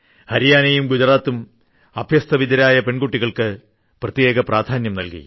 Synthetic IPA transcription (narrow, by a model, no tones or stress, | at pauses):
hɐɾijaːnɐjumɡud͡ʑɐraːt̪ːum | ɐbʱjɐst̪ʰɐʋid̪ɐɾaːjɐpe̞ɳɡuʈːiɣɐɭkɨ | prɐt̪je̞ːɡɐprʔaːd̪ʱaːnjɐmnɐlkḭ